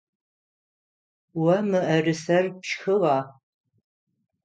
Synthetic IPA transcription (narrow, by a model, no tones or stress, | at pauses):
wɐmɨʔɐrɨsɐrpʃxɨʁɑː